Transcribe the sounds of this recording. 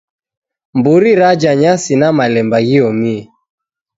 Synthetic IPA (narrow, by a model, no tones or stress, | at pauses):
mbuɾiɾad͡ʒaɲasinamalɛmbaɣiɔmiɛ